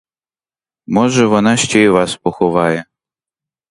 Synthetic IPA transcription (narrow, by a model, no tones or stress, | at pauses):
mɔʒɛʋɔnɑʃt͡ʃeʋɑspɔxɔʋɑjɛ